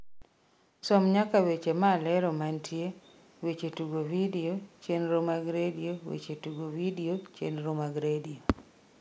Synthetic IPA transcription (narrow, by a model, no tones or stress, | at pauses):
sɔmɲakawet͡ʃemalɛɾɔmantje | wet͡ʃetuɡovidiot͡ʃenɾomaɡɾediowḛt͡ʃetuɡowidiot͡ʃḛnɾomaɡɾedio